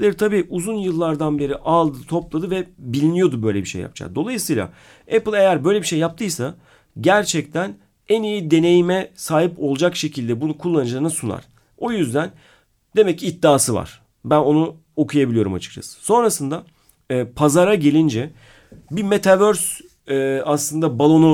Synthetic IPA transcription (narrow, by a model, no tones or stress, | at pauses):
lʲeɾit̪ʰabiːʔuzunjɯlˠːaɾd̪anbe̞ɾiʔalˠd̪ɯt̪ʰo̞plˠad̪ɯvɛbilʲinijo̞d̪ubø̞jlʲebiʃejːa̰p̚t͡ʃʰa̰d̪o̞lˠajɯsɯjlˠa̰ | epɯlˠejæɾbø̞jlʲe̞biʃejːap̚t̪ʰɯjsa | ɟæɾt͡ʃʰɛct̪ʰæn | ɛnijid̪e̞ne̞jimɛsaːɦipo̞lˠd͡ʒakʃe̞cʰilʲd̪ɛbunukʰulˠːanɯd͡ʒlˠaɾnɯsuna̰ɾ̥ | o̞jyzd̪æn | d̪e̞mɛcit̪ːaːsɯva̰ɾ̥ | bæno̞nu | o̞kʰujabilʲijo̞ɾuma̰t͡ʃʰɯ̥kt͡ʃʰa̰sɯ̥so̞nɾasɯnd̪aː | pʰazaɾaɟe̞lʲind͡ʒɛ | bime̞t̪ʰavøɾs | ɛːaslˠɯnd̪abalˠo̞nu